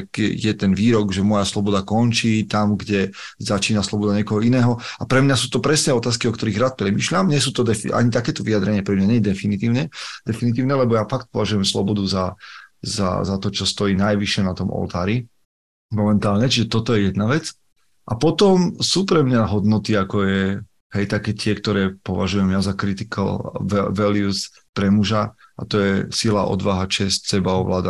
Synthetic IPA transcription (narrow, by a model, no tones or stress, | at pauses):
kjɛt̪ɛnʋiːɾɔɡʒɛmɔjaslɔbɔd̪akɔnt͡ʃiːt̪amɡɟɛ | zat͡ʃiːnaslɔbɔd̪aɲɪɛkɔɦɔinɛːɦɔapɾɛmɲasuːt̪ɔpɾɛsnɛːɔt̪aːskiɔkt̪ɔɾiɣɾaːt̪̚pɾɛmiːʃʎamɲɛs̬uːt̪ɔd̪ɛʔa̰ɲit̪akɛːt̪ɔʋijad̪ɾɛɲɪapɾɛmɲaɲɛɲɛd̪ɛfinit̪iːʊɲɛd̪̥ɛfinit̪̬iːʊnɛlɛbɔjafak̚t̪̚pɔʋaʒujɛmslɔ̰bɔd̪uzaza̰zat̪ɔt͡ʃɔst̪ɔjiːnajʋiʃɪɛnat̪ɔmɔ̰lt̪aːɾi | mɔmɛnt̪aːlɲɛt͡ʃiʒɛt̪ɔt̪ɔjɛjɛd̪naʋɛt͡s | ʔapɔt̪ɔmsuːpɾɛmɲaɦɔd̪nɔt̪iakɔjɛ | ɦɛjt̪akɛːt̪ɪɛkt̪ɔɾɛːpɔʋaʒujɛmjazakɾit̪iklɛʋɛlius | pɾɛmuʒaʔat̪ɔjɛsilaʔɔ̰d̪ʋaɦat͡ʃɛscsɛbaɔʋlaːd̪a